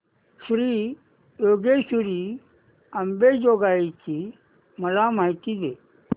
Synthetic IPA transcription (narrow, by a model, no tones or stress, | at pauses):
ɕɾi | joɡeɕuɾiː | əmbed͡ʑoɡait͡ɕi | məlamait̪id̪e